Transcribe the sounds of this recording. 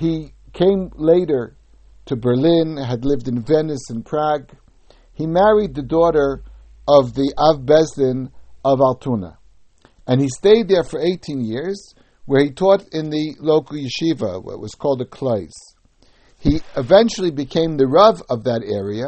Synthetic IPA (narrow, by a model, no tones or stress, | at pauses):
hikʰẽɪ̃mleɪɾə˞ | ɾʰɨbə˞lɪ̃nɨdˡlɪvdɨ̃nvɛnɨsɨ̃npʰɹ̥æɡ | himæɹid̪̚ðɨdɔɾə˞ | ʔʌvðiʔavbɛzlɪ̃nʌvalˠtʰunə̰ | ɨ̃nisteɪd̪̚ðə˞fə˞eɪtʰĩnjɪɹz̥ | wə˞itʰɔɾɪ̃nðɨloʊkl̩ˠjɨʃivə̰wʌ̰ʔ̚wʌz̥kʰɔlˠdɨkʰl̥oɪz̥ | hiɨvɛ̃nt͡ʃl̩ˠibɨkʰẽɪ̃mðɨɹʌvʌvðɨɾɛɹiɨ